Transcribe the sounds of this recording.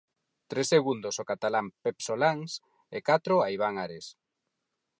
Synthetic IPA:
t̪ɾesːeɣund̪osokat̪alampepsolaŋs | ekat̪ɾoaiβ̞aŋaɾes

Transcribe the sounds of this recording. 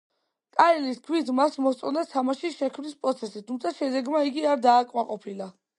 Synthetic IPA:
kʼaɛliskʰwit̪ʰmasmɔst̪sʼɔnat̪ʰamaʃiʃɛkʰmnispʼɾɔt̪sʰɛsit̪ʰumt̪sʰaʃɛd̪ɛɡmaiɡiaɾd̪aːkʼmaqʼɔpʰila

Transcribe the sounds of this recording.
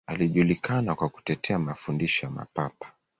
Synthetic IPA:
aliʄulikanakwaku̥tɛtʰɛamafundiʃɔjama̰papḁ

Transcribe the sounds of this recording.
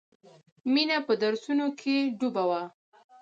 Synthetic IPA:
minapəd̪aɾsunokʰeɖubawa

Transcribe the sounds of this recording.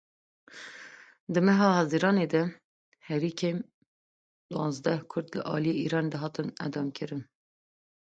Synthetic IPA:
d̪ɨmɛɦɑːhɑziɾɑːned̪ɛ | hɛɾiːkʰem | d̪wɑ̃nzd̪ɛhkʰʊɾd̪lɨ̰ʔɑ̰ːlijeːʔiːɾɑːned̪ɛɦɑːt̪ɨnɛ̰d̪ɑːmkʰɨɾɨn

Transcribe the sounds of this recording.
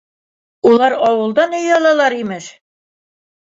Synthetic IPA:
ulˠɑɾɒwɤ̆lˠd̪ɑnɵ̆jɒlˠɑlˠɑɾimɘʃ

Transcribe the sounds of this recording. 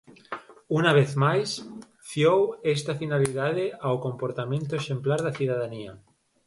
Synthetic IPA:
unaβ̞eθmajs | fjowest̪afinaliðaðeawkõmpoɾt̪amẽnt̪oeʃẽmplaɾðaθuð̞aðania

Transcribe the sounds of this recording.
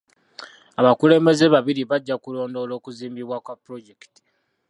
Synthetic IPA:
aβakule̞ːmbe̞zeβaβiɾiβaɟːakulo̞ːndo̞ːlo̞ːkuziːmbiβwakwapːɾo̞ɟekti̥

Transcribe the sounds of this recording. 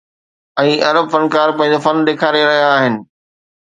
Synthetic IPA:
ɛ̃ːʔɐɾəbfɐnkaːɾpɐ̃ɦɪ̃ɲd͡ʑofɐnd̪eːkʰaːɾeɾɐɦijaːɦɪnɪ̆

